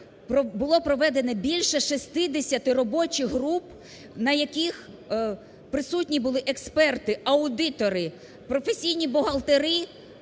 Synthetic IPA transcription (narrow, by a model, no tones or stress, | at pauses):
pɔbʊlˠɔpɾɔʋɛd̪enɛbʲilʲʃɛʃist̪ɪd̪esʲɐt̪ɪrɔbɔt͡ʃʲiɦɾup | nɐjɐkʲix | pɾɪsutʲnʲibʊlˠɪʔekspɛrt̪ɪɐʊd̪ɪt̪ɔɾɪ | pɾɔfesʲijnʲibʊɦɐlˠt̪eɾɪ